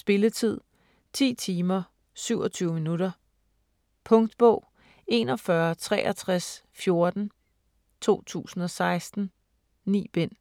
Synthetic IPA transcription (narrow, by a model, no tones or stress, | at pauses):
sb̥e̝lət͡sʰið̞̰ˠ | t͡sʰḭːt͡sʰiːmɐ | syʊ̰ɒt͡sʰyːʊəminuɾ̥ɐ | pʰɔ̽ŋd̥b̥ɔʊ̰ | e̝nɒ̽fɶɐt͡sʰʁɛ̰ːʔɐt͡sʰʁas | fjo̝ɐd̥n̩ | t͡sʰo̝̰ːt͡sʰṵːsn̩ɒ̽sɑ̈ɪsd̥n̩ | nḭːb̥en̰